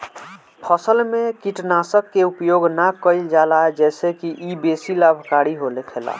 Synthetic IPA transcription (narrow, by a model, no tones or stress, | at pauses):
pʰəsəlmekiʈnasəkːeupjoɡnakəɪld͡ʒalaed͡ʒɛːsekiʔibesilabʱkaɾiɦolekʰela̰